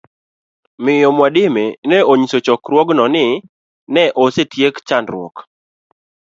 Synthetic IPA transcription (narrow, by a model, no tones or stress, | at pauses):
mɪjɔmwadɪmenɛoɲisot͡ʃɔkɾwɔɡnɔnɪ | nɛʔosetjekt͡ʃandɾwɔ̰k